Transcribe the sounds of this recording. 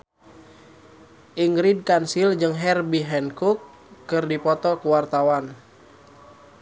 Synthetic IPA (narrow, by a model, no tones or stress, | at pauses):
ʔiŋɡɾid̚kansild͡ʒɨŋɦɛrbiɦɛnkukː | ɨrdipɔt̪ɔkuwart̪awan